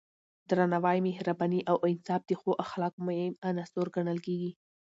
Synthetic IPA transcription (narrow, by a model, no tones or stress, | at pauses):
d̪ɾanawɑjmeɦɾabɑniʔawʔɪnsɑb̚d̪əxoʔaxlɑkmʊhɪmanasoɾɡaɳəlkeɡi